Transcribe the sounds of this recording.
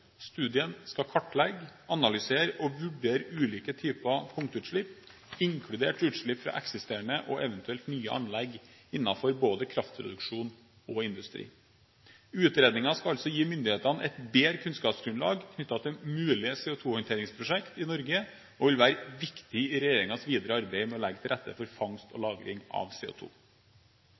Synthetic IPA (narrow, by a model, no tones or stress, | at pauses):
st̪ʉːd̪ɪənskɑkʰɔʈːlɛɡɑnɑlʏseːɾɔʋʉɖeːɾʉːliːkət̪ʰyːpɑpʰʊŋkt̪ʉːt̪ʂɭɪp | ɪŋkʰɽʉd̪eːʈʉːt̪ʂɭɪpfɾɑ̰ːʔɛksɪst̪eːɳəʔɔʔɛʋənt̪ʉɛlt̪nyːə̰ʔɑ̰nlɛɡɪnːɑfɔɾboːd̪əkʰɾɑft̪̚pʰɾʊ̰d̪ʉkʂuːn | ɔɪnd̪ʉst̪ɾḭː | ʉːt̪ɾeːd̪nɪŋɑskɑɑlsɔjiːmʏnd̪ɪheːt̪ɑnʔɛt̪beːɾəkʰʉnskɑːpsɡɾʉnlɑ̰ːɡkʰnʏt̪ːɑt̪ʰɪlmʉːlɪseːʊt̪ʰuːhɔnt̪ʰeːɾɪŋspʰɾʊʂɛkt̪ɪnɔɾɡə | ɔʋɪlʋæːɾʋɪkt̪ɪɪɾɛjeːɾɪŋɑsʋiːd̪əɾəɑɾbeɪmɛɔlɛɡːt̪ɪlɾɛt̪ːə̰fɔɾfɑŋst̪ɔ̰lɑːɡɾɪ̰ŋɑ̰ʋsḛːʊ̰ːt̪ʰṵː